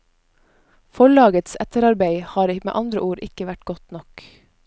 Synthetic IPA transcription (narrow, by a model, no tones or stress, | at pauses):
fɔɭɑːɡət̪sæ̰t̪əɾɑɾbeɪhɑːɾmḛːʔɑnd̪ɾəʔuːɾʔɪ̰kəʋæʈɡ̥ɔt̪nɔk